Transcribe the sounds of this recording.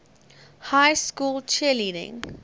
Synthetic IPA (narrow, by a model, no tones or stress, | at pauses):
hajskuːlt͡ʃʰiliːdɪ̰̃ŋ